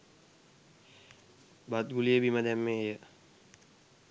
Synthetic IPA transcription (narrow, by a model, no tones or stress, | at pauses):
bat̪ɡulijebiməd̪ʱɛmːẽɦejə